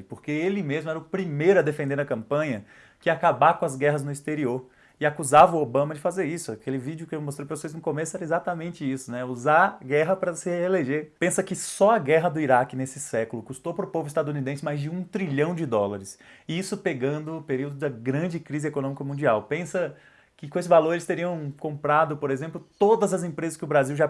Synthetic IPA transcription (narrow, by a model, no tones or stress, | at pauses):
ɪpoɾkeelɪmezmʊɛɾɐʊpɾimejɾʊɐd̪efẽnd̪eɾɐkɐ̃mpɐ̃ɲɐ | kɪakabakõɐzɡɛɦɐznʊist̪eɾioɾ | ɪakuzavɐobɐ̃mɐd͡ʒɪfazeɾisʊakelɪvid͡ʒʊkɪewmost̪ɾejpɾoseznʊkomesʊɛɾɐezat̪ɐmẽnt͡ʃɪisʊnɛuzaɡɛɦɐpɾɐsɪeleʒepẽsɐkɪsɔɐɡɛɦɐd̪ʊiɾakɪnesɪsɛkʊlʊkust̪owpɾʊpovʊist̪ad̪ʊunid̪ẽsɪmajzd͡ʒɪũt̪ɾiʎɐ̃w̃d͡ʒɪd̪ɔlaɾɪsisʊpeɡɐ̃nd̪ʊpeɾiwd̪ʊd̪ɐɡɾɐ̃d͡ʒɪkɾizɪekonõmikɐmũnd͡ʒiawpẽsɐ | kɪkões̬ɪvaloɾelɪst̪eɾiɐ̃w̃kõmpɾad̪ʊpoɾezẽmplʊt̪od̪ɐzɐzẽmpɾezɐskɪʊbɾaziwʒa